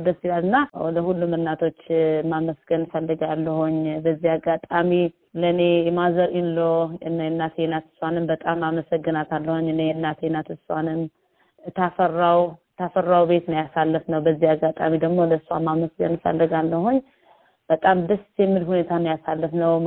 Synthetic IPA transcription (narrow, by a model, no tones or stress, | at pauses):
d̪əsilalɨnːawɔd̪əhulːumɨnːat̪ʰo̞t͡ʃːmaməsɡənfəlːɨɡalːəhuɲbəzːihaɡːat̪ʼami | ləne̞jɛmazəɾɨnloɨnajɛnːat̪ʰjenat̪ɨ̥sanɨnbət̪ʼamːaməsəɡːɨnat̪ʰalːəhuɲːɨnejɛnːat̪ʰenat̪ɨanɨn | t̪ʰafərːawt̪ʰafərːawbe̞t̪nəjasalːəfnəwbəzːihaɡat̪ʼa̰mid̪əɡmo̞ləsa̰mːaməsɡənfə̰lːɨɡalːəhuɲː | b̥ət̪ʼamd̪ɨst̪jɛmːɨlhune̞t̪ʰanjasalːəfnəw